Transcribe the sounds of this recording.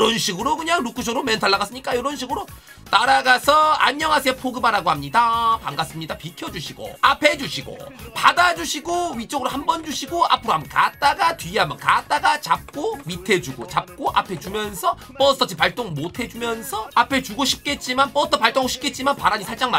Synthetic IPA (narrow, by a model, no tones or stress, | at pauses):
ʌnɕʰiɡɯɾokɯɲaŋɾukʰɯɕʰoɾomentʰaɭːaɡas͈ɯmɲik͈ajʌɾʌnɕʰiɡɯɾo | taɾaɡasʰʌa̰ɲːʌŋɦas̬ʰepʰoɡɯbaɾaɡohamɲidapaŋɡas͈ɯmɲidapikʰjʌd͡ʑuɕʰiɡo̰apʰe̞d͡ʑuɕʰiɡo̰padad͡ʑuɕʰiɡoɥit͡ɕ͈ʌɡɯɾohambʌnd͡ʑuɕʰiɡoa̰pʰɯɾoɦambʌnka̰t̚t͈aɡatɥiɦambʌnkat̚t͈aɡat͡ɕap̚k͈omitʰe̞d͡ʑuɡo̰t͡ɕap̚k͈oʔa̰pʰe̞t͡ɕumjʌnsʰʌ | p͈ʌsʰt͈ʰʌt͡ɕʰipaɭt͈oŋɭmotʰe̞d͡ʑumjʌnsʰʌapʰe̞t͡ɕuɡoɕʰip̚k͈e̞t̚t͡ɕ͈imanp͈ʌtʰʌpaɭt͈oŋɡoɕʰi̥pk͈ʰe̞t̚t͡ɕ͈imanpaɾaɲisʰaɭt͡ɕ͈aŋma